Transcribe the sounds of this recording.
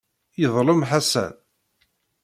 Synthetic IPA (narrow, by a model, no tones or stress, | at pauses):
jəðˤləmħasæ̰d